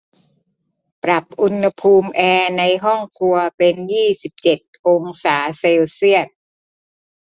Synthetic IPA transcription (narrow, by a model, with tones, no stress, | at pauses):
pɾa˨˩p̚ʔu˧nha˧pʰuː˧mʔɛː˧na˧jɦɔ˥˩ŋkʰu˧ɐpe˧njiː˥˩si˨˩p̚t͡ɕe˨˩t̪̚ʔo˧ŋsaː˩˦se˧wsi˥˩ət̪̚